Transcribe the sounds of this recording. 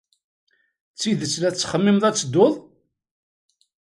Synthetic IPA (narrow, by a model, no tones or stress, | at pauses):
t͡sːiðət͡sːlæt͡sːχəmːɪmðˤæt͡sːəd̪oðˤ